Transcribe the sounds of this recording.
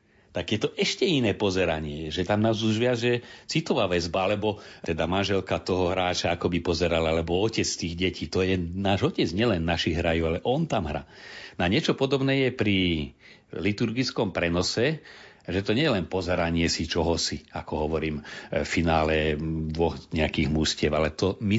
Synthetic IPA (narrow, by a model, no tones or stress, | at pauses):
t̪aɡjɛt̪ɔʔɛʃcɛinɛːpɔzɛɾaɲɪɛʒɛt̪amnaːzuʒʋɪad͡zʒɛt͡sit̪ɔʋaːʋɛzbaalɛbɔ | ɛd̪amanʒɛlkat̪ɔɦɔɦɾaːt͡ʃaakɔbipɔzɛɾalalɛbɔɔcɛt͡sst̪iːɣɟɛciːt̪ɔjɛnaːʒɔcɛd͡zɲɪɛlɛnːaʃiɣɦɾajualɛʔɔnt̪amɦɾa̰ːnaɲɪɛt͡ʃɔpɔd̪ɔbnɛːjɛpɾi | lit̪uɾɡit͡skɔmpɾɛnɔsɛ | ʒɛt̪ɔɲɛjɛlɛnpɔzɛɾaɲɪɛsit͡ʃɔɦɔsiakɔɦɔʋɔɾiːmfinaːlɛd̪ʋɔxɲɛakiːɣmuscɪɛbalɛt̪ɔmi